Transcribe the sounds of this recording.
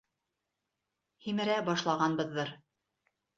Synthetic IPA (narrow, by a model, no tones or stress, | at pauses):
himɘ̆ɾæbɑʃlˠɑʁɑnbɤ̆ðːɤɾ